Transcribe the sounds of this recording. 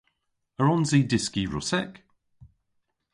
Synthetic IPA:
əɹɔnzidɪskiɹʊ̰sɛk

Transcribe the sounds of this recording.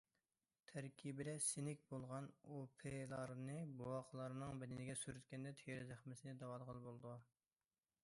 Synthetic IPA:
t̪ʰæɾkʲʰibɪd̪ɛsɪnɪkʲbolˠʁɑnopʰelˠɑɾnɨbowɑqʰəlˠɑɾnɨŋbɪd̪ɪnɪɡʲɛsyɾyt̪kʲɛnd̪ɛt̪ʰeɾɪzæχmɪsɪnɪd̪ɑwɑd̪ʁəlˠbolˠɨd̪u

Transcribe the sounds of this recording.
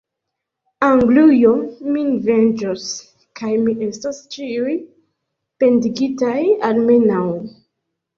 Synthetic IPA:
aŋɡlujominve̞nd͡ʒos | kajmiʔe̞stast͡ʃiuj | pe̞ndiɡitajalme̞naw

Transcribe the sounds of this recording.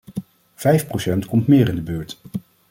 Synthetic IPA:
v̥ɛjfprowsɛntkɔmtmɪːɾɪndəbøːɹt

